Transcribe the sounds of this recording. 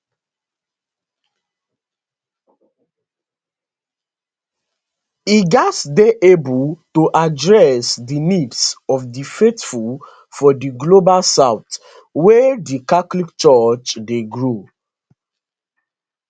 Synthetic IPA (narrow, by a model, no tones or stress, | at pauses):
iɡɔtsdeʔebultoʔadɹɛsdinidsɔfdifetful | fɔdiɡlobalsaʊt | wɛdikatlikt͡ʃɔt͡ʃdeɡɹo